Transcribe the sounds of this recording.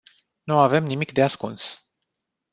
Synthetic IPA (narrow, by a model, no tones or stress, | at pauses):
nuave̞mnimikd̪easkuns